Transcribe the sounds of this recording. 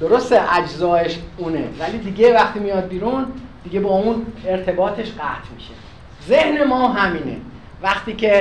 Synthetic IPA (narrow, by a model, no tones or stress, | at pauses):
d̪̥o̞ɾo̞st̪eʔæd͡ʒzɒːeʃuːnḛvæliːd̪iɟe̞væχt̪iːmijɒːd̪̚biːɾund̪̥iɟe̞bɒːuːne̞ɾt̪ʰe̞bɒːt̪ʰe̞ʃɢæt̪ʰmiʃḛ | ze̞hne̞mɒːɦæmiːnḛ | væxt̪iːcʰe̞